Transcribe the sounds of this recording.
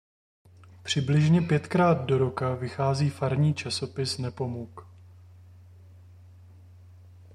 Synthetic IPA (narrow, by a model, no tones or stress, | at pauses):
pr̝̥ɪblɪʒɲɛpjɛt̪kɾaːd̪̚do̞ɾo̞kavɪxaːziːfaɾɲiːt͡ʃaso̞pɪsnɛpo̞muk